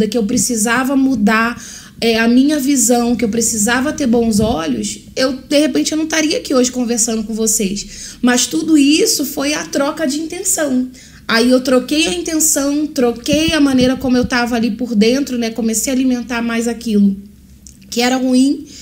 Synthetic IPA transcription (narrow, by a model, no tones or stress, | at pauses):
d̪ɐkɪewpɾesizavɐmud̪a | ɛɐmĩɲɐvizɐ̃w̃kɪewpɾesizavɐt̪eɾbõw̃zɔʎʊs | ewd̪ehepẽt͡ʃɪewnɐ̃w̃t̪aɾiɐakioʒɪkõveɾsɐ̃nd̪ʊkõvosejsmɐst̪ud̪ʊisʊfojɐt̪ɾɔkɐd͡ʒɪĩnt̪ẽsɐ̃w̃ | aiewt̪ɾokejɐĩnt̪ẽsɐ̃w̃t̪ɾokejɐmɐ̃nejɾɐkõmʊewt̪avɐaːlipʊɾd̪ẽnt̪ɾʊnɛkõmesejalimẽnt̪aɾmajzakilʊ | kɪɛɾɐhuĩ